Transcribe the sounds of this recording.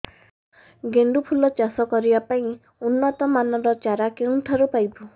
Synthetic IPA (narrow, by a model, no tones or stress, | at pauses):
ɡeɳɖupʰulɔt͡ʃasɔkɔɾibapaĩ | unːɔt̪ɔmanɔɾɔt͡ʃaɾakeũʈ̪ʰaɾupajbu